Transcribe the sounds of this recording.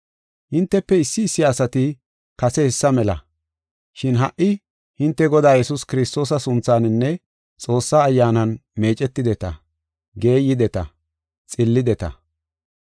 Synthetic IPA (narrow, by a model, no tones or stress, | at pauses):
hɪnt̪ːɛpːɛɪsːɪːsːɪɐsɐt̪ɪ | kɐsɛhɛsːɐmɛlɐ̰ | ʃɪnɦɐʔːɪ | hɪnt̪ːɛɡɔd̪aːjɛsʊskɪɾɪst̪o̞ːsɐsʊnt͡sːaːnɪnːɛ | t͡sʼo̞ːsːaːjːaːnɐnme̞ːt͡ʃʼɛt̪ːɪd̪ɛt̪ɐ̰ | ɡe̞ːjɪd̪ɛt̪ɐ̰ | t͡sʼɪlːɪd̪ɛt̪ɐ̰